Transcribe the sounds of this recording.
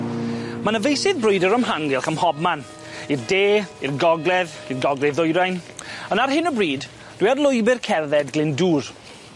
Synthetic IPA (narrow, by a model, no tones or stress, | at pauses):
manəvejsɪðbrʊjdəɾəmɦaŋɡɪlˠχəmhɔb̚man | irdeːirɡɔɡlˠɛðirɡɔɡlˠɛðʊjɾajnənarɦɪnəbriːd | d̥wiarlˠʊjbɪrkʰɛrðɛdɡlɪnduːr